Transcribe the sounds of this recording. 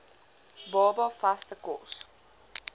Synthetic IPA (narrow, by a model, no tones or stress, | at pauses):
bɑːbɐfastəkɔs